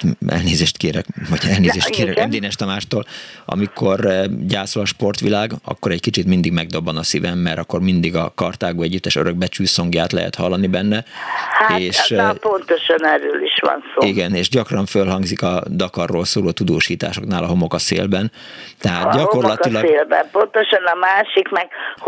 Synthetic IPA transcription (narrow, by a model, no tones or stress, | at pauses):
ʔɛ̰lneːzeːʃt̪keːɾɛkvɒɟɛlneːzeːʃt̪keːɾɛɛmd̪eːnɛʃt̪ɛmaːʃt̪oːlʔɒ̰mikʰo̞rɟaːsolɒʃpo̞rt̪ʋilaːɡɒ̰kːo̞ɾɛckit͡ʃit̪mind̪iɡmɛɡ̚d̪o̞bːɒnɒsivɛmːɛrɾt̪ɒkːo̞rmind̪iɡɒkɒrt̪aːɡoːɛɟːyt̪ːɛʃøɾøɡ̚bɛt͡ʃyːso̞ŋɡjaːt̪lɛ̰ɦɛ̰t̪hɒlːɒnibɛnːɛhaeːʃpont̪oʃɒnɛɾøːliʃʋɒ̰nsoiɡɛneːʒɟɒkrɒɱfølɦɒŋɡzikɒd̪ɒkɒrːoːlsoːloːt̪ud̪oːʃiːt̪a̰ːʃo̞knaːlɒɦo̞mo̞kɒsḛːlbɛn | t̪ɛɦaːt̪ɟɒko̞rlɒt̪ilɒlbɛ̰mpont̪oʃɒnɒmaːʃikmɛɡ